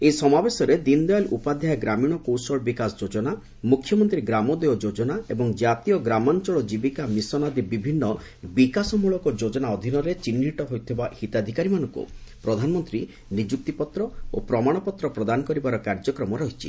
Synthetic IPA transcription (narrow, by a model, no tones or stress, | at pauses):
esɔmabesɔɾed̪ind̪ɔalʔupad̪ʱjajɡɾamiɽ̃ɔkowsɔɭbikasɔd͡ʒod͡ʒɔna | mukʰːjɔmɔnt̪ɾiɡɾamɔd̪eɔd͡ʒod͡ʒɔnaebɔŋd͡ʒat̪ijɔɡɾamant͡ʃɔɭɔd͡ʒibikamisɔnad̪ibibʱinːɔ | bikasɔmuɭɔkɔd͡ʒod͡ʒɔnaɔd̪ʱinɔɾet͡ʃinːɦiʈɔɦojt̪ʰibahit̪ad̪ʱikaɾimanɔŋkṵpɾɔd̪ʱanɔmɔnt̪ɾi | nid͡ʒuk̚t̪ipɔt̪ɾɔopɾɔmaɽ̃ɔpɔt̪ɾɔpɾɔd̪anɔkɔɾibaɾɔkaɾd͡ʒɔkɾɔmɔɾɔɦit͡ʃʰḭ